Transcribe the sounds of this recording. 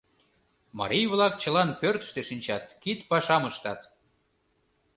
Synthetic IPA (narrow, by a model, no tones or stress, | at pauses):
mɑ̰ɾijβlɑk̚t͡ɕə̆lɑnpørt̪ə̥ʃt̪eʃinʲt͡ɕɑt̪kit̪pɑʃɑməʃt̪ɑt̪